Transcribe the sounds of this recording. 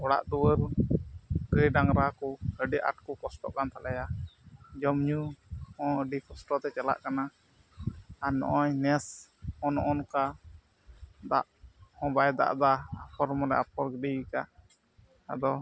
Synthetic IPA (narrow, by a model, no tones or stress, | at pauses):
ɔɽa̰ʔd̪uwəɾ | ɡəjɖaŋɾakɔəɖiʔa̰ʈ̚kɔkɔsʈɔ̰ʔkant̪alɛja | d͡ʒɔmɲuhɔ̃əɖikɔsʈɔt̪ɛt͡ʃala̰ʔkana | ɾnɔ̰ʔɔɲnɛshɔnɔʔɔnka | d̪a̰ʔhɔ̃bajd̪a̰ʔd̪aːpʰɔɾmɔlɛ̰apʰɔɾɡəɖika | a̰d̪ɔ